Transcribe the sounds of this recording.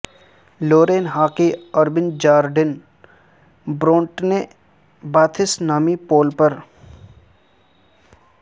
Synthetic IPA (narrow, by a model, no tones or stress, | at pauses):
loːɾeːnɦaːkiɔɾbɪnd͡ʒaːɾɖɪn | bɾõːɳʈne | baːt̪ʰɪsnaːmipoːlpəɾ